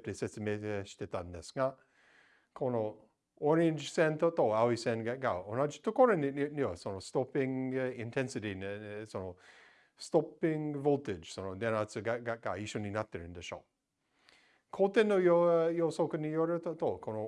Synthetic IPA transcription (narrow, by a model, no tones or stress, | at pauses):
p̚tesɛsəmeteʃtɛtandɛsŋa | kʰono | ɔɹẽnd͡ʒsɛ̃nt̪ot̪oawisɛ̃nɡɛʔ̚ɡaonad͡ʒi̥t̪ʰokoɾənɪniəsonostɔpɪ̃ŋɪ̃ntʰɛ̃nsɨɾinəsono | stɔpɪ̃ŋvolˠtɪd͡ʒ̥sonod̪ɛnat͡səɡaɡaʔ̚ɡ̥aiʃoninat̪ːəɹɪ̃ndəʃo̰ | kʰot̪ɛnːojojosokənijoɾət̪oʔtokʰono